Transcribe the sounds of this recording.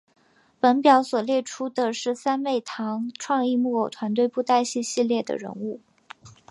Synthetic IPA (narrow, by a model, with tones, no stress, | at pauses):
pə˧˥npjɑ˧˥ʊswɔ˨˩ljɛ˥˩ʈ͡ʂʰu˥d̪ə˨ʂɻ̩˥˧sa˥nwe˥˩ɪt̪ʰɑ˧˥ŋʈ͡ʂʰwɑ˥˧ŋi˥˧mu˥˩o˨˩ʊt̪ʰwa˧˥nt̪we˥˧ɪpu˥˧t̪a˥˧ɪɕi˥˧ɕi˥˧ljɛ˥˩d̪ə̰˩ɻə̰˧˥nu˥˩